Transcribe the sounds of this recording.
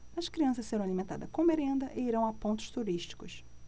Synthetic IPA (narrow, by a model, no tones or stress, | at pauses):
ɐʃkɾiɐ̃sɐʃseɾɐ̃w̃alimẽnt̪a̰d̪ɐʃkõbeɾẽnd̪ɐʔeiɾɐ̃w̃apõnt̪ʊ̥ʃt̪uɾiʃt͡ʃi̥kʊs